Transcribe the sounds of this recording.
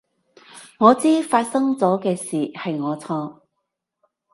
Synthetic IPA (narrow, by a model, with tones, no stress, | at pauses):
ŋɔː˨˧t͡siː˥faː˧t̚sɐ˥ŋt͡sɔː˨˥kɛː˧siː˨hɐ˨jŋɔː˨˧t͡sʰɔː˧